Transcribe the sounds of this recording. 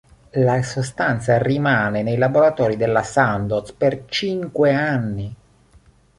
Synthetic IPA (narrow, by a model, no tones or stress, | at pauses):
lasost̪ant̪sarimaːnenejlaboɾat̪ɔːɾid̪elːasand̪ospert͡ʃiŋkweanːi